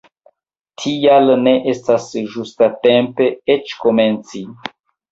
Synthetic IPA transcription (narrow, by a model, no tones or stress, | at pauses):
tʰijalne̞ʔestasʒustatempe̞et͡ʃko̞me̞nt͡si